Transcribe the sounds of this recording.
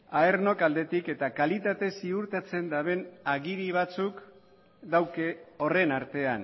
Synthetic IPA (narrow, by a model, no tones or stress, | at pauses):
aerno̞kald̪e̞t̪ike̞t̪akalit̪at̪e̞siuɾt̪at͡se̞nd̪aβe̞naɣiɾiβ̞at͡suk | d̪awkeo̞re̞naɾt̪e̞an